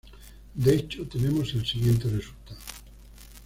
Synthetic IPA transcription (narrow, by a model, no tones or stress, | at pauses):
d̪eet͡ʃot̪enemoselsiɣjent̪eresult̪aðo